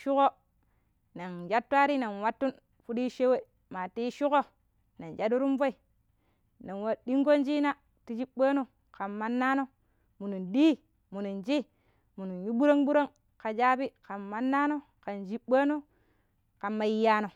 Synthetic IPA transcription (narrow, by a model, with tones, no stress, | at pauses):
ʃu˦ko˦ | na˨nd͡ʒa˦tːwa˦ɾi˦na˨nwa˦tːu˦n | fu˦di˦ʃe˦we˦ | ma˨ti˦ʃu˦ko˦ | na˨nd͡ʒa˦du˦ɾu˦mvo˦i˨ | na˨nwa˨di˦ŋɡo˦nd͡ʒi˦na˦ | ti˨˦d͡ʒi˦ɓa˦no˦ | ka˨mma˦nːa˦no˦ | mu˨nu˨ndi˦ | mu˨nu˨nd͡ʒi˦ | mu˨nu˨nju˦ɓu˦ɾo˦ŋbu˦ɾo˦ŋ | ka˨d͡ʒa˦bi˦ka˨mːa˦nːa˦no˦ | ka˨nd͡ʒi˦ɓa˦no˦ | ka˨mːa˨ji˦ja˦no˨